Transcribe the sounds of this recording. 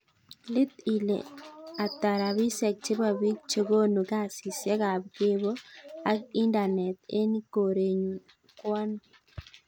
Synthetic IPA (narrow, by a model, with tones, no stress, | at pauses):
lɪ˦t̪i˨lḛ˨a˨t̪a˨ɾa˨βi˦sɛ˨k̚t͡ʃe˦ba˨bi˦kt͡ʃo˦ɡo˦no˨ka˦˨si˨sjɛ˦ka˨bɡe˦bo˦a˦ki˦nda˨nɛ˨t̪e˦ni˦ko˨ɾe˨ɲu˨ | kwɔ˦n